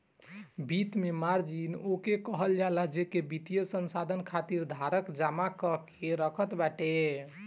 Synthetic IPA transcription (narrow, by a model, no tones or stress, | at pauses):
bit̪memaɾd͡ʒinokekəɦəljaləd͡ʒekebit̪ijəsənsad̪ʱənkʰat̪iɾd̪ʱaɾəkd͡ʒamakəkʰeɾəkʰət̪baʈe